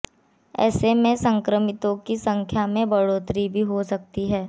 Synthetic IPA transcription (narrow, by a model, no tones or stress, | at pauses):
ɛ̰ːsemẽsə̃ŋkɾəmɪt̪õkisɐ̃ŋkʰjamẽbɐɽoːt̪ɾibʱiɦosɐk̚t̪iɦɛː